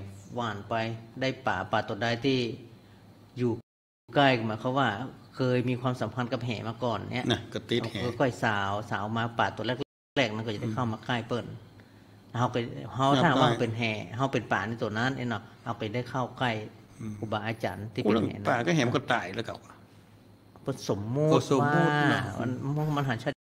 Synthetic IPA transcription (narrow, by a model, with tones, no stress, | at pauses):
waː˧˩npa˧jda˧˥˩jpaː˨˩paː˨˩t̪u˨˩˨daː˧jt̪ʰiː˧˩ | juː˧˩˧ | kaː˧˩jkɔ˧˩ma˨˦jkʰa˧˩waː˧˩kʰɤː˧jmiː˧kʰwaː˧msa˨˦mpʰa˧˥nka˧p̚ɦɛː˨˦maː˧kɔː˨˩nːḭ˧˥ɐ̰˨na˧kɔ˧˩t̪i˧˦ta˧˩hɤː˧jkɔ˧˩jsaː˨˦wsaː˨˦wmaː˧paː˨˩t̪u˧˨lɛː˧˩k̚l | lɛː˧˩k̚ma˧nkɔ˧˩a˨˧˩da˥˩jkʰa˧˥˩wmaː˧kaː˧˩˨jpɤ˧˩n | lɛ˧ɦa˧wka˧˩ɦa˧wtʰaː˧˨˧waː˧˨˧pe˨nɦɛː˧˩ɦa˧wpe˨npaː˨˩na˧˦t̪u˧˩˦na˧˥˨nʔe˧˥nɔ˧˩ha˧wka˨˩da˧˥˩jkʰa˧˥˩wka˧˥˩j | kuː˧˩baː˨˩ʔaː˧t͡ɕa̰ː˨˦nt̪ʰiː˧˨phɛ̰ː˨˦na˧aː˧˨˩ka˧˩jɦɛː˨˦m˧kɔ˧˩t̪aː˧˩jla˧˩ka˧˩w | pɤ˧˥˩nso˨˦mːoː˧˩o˨˦aː˧a̰˧˨n˧u˧ma˧nɦa˨˦nt͡ɕʰa˧˩